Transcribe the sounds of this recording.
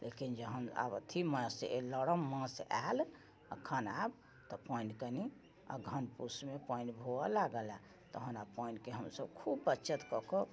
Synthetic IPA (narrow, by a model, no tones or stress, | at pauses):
lʔekind͡ʒəɦəna̰bət̪ʰimə̃seləɽəmːə̃sa̰l | ə̰kʰːənab | t̪ɔpəinkəni | a̰ɡʱənpusmepənɖbʱoɔlaɡəla | t̪əɦənapəinkeɦəmsəbkʰubːətːt͡ʃət̪kɔko